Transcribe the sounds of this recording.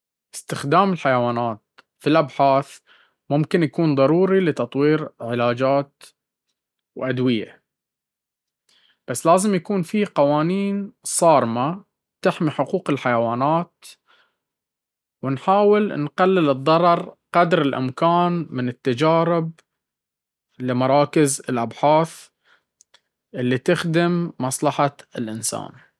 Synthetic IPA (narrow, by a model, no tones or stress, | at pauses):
ʔɪst̪ɪxd̪aːmɪlħajawaːnaːt̪̚ | filʔabħaːθ | mʊmkɪnjakuːnðˤɑɾˤuːɾilɪt̪ɑt̪ˤwiːɾʕɪlaːd͡ʒaːt̪ | wʔad̪wɪja̰ | b̥asːlaːzɪmjakuːnfiːqɑwaːniːnsˤɑːɾˤma | t̪ɪħmiħʊquːqɪlħajawaːnaːt̪ | wɪnħaːwɪlnqalːɪlɨðˤːɑɾˤɑɾˤqɑd̪ɾɪlʔɪ̰mkaːnmɪnɪt̪ːad͡ʒaːɾɪb | lɪmɑɾˤɑːkɪzɪlʔabħaːθ | ʔɪlːit̪ɪxd̪ɪmːɑsˤlɑħaɪlʔɪnsa̰ːn